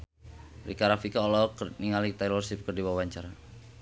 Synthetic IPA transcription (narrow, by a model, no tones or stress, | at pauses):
rikaɾafikaɔlɔkniŋalit̪ajlɔrsip̚kərdiwawaɲt͡ʃaɾa